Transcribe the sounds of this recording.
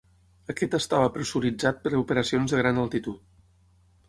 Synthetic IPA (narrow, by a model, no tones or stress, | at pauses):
əkɛt̪əst̪aβəpɾəsuɾid͡zat̪̚pəɾəupəɾəsionzðəɣɾanəlˠt̪it̪ut̪